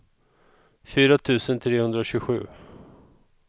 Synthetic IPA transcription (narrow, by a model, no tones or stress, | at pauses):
fyːɾat̪ʰʉ̟ːsənt̪ʰɾeːhɵnd̪ɾaɕɵɧʉ̟ː